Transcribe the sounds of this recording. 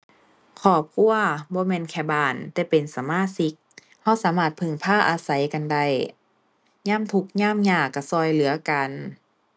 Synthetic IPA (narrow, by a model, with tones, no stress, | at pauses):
kʰɔː˧˩p̚kʰu˧˨ɐbɔː˧˦mɛː˧˨nkʰɛː˧˩baː˧˩nt̪ɛː˧˩pe˨nsa˨˦maː˧˥˨si˧˦˥k̚ | ha˧˥˩wsaː˨˦maː˧˩t̪̚pʰɯ˧˩ŋpʰaː˧˥˨ʔaː˧sa˨˩jka˨nda˧˩j | ɲaː˧˥˨mt̪ʰu˧˦k̚ɲaː˧˥˨mɲaː˧˩kːa˧˩sɔː˧˩jlɯ˨˦ɐka˨n